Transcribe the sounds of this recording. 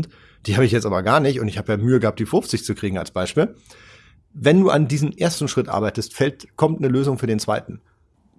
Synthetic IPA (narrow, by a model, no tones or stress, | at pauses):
t | d̥iːhaːbɪçjɛt͡stʔaːbɐɡaːɐnɪçtʊntɪçhaːbəjaːmyːəɡəhaːp̚td̥iːfʊft͡sɪçt͡sukʁ̥iːɡŋ̩a̰lsb̥aɪʃpiːl | vɛnduːʔandiːzəmʔeːɐstn̩ʃʁ̥ɪtʔa̰ɐbaɪtəstfɛltkʰɔmtnəløːzʊŋfyːɐdeːnt͡sv̥a̰ɪtn̩